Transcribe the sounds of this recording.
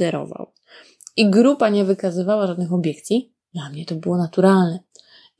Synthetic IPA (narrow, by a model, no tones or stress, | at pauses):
ɛɾɔ̰va̰w | iɡɾupaɲɛvɘkazɘvawaʐad̪nɘxɔbʲjɛkt̪sʲi | d̪lamɲɛt̪ɔbɘwɔnat̪uɾalnɛ